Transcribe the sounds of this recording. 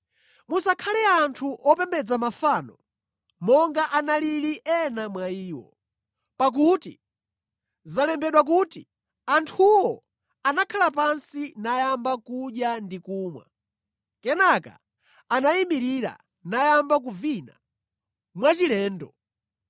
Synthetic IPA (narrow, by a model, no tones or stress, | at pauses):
musakʰalɛantʰuʔɔpɛmbɛd͡zamafaːnɔ | mɔŋɡaʔanaliɾiʔɛnamwaiːwɔ̰ | pak̬uti | zalɛmbɛɗwak̬uti | antʰuwɔ | anakʰalapansinajambakuɗjandikuːmwa̰ | kɛnaka̰ː | naimiɾiɾa̰ | najambak̬uvina̰ | mwat͡ʃilɛːndɔ